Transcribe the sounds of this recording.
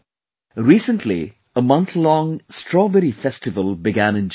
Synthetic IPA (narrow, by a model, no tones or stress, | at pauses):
ɹiːsə̃ntʰlḭ | əmʌ̃nt̪lɔ̃ŋsʈʰɹɔbɛɾifɛstɨvəlˠbɪɡæ̃nɨ̃nd͡ʒ